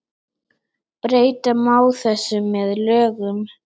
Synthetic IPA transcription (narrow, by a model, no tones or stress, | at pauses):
pɾeːjt̪amaːwθɛsːʏmːɛðlœːɣʏm